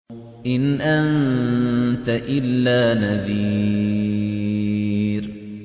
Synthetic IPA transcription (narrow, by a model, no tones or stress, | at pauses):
ʔɪnʔan | t̪aʔɪlːaːnaðiː | ɾ